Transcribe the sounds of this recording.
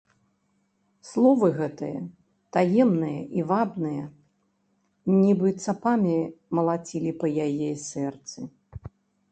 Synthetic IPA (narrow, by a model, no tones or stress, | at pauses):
slˠɔvɨɣɛt̪ɨjɐ | t̪ajɛmnɨjɐʔivabnɨjɐ | nʲibɨt̪sapamʲimɐlˠat͡sʲilʲipɐjajɛsʲɛrt̪sɨ